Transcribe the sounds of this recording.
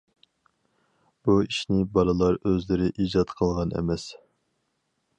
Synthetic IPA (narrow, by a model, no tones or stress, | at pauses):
b̥uiʃnɪbɑlˠɨlˠɑɾøzlɪɾɪʔiːd͡ʒɑt̪qʰəlˠʁɑnɛ̰mɛs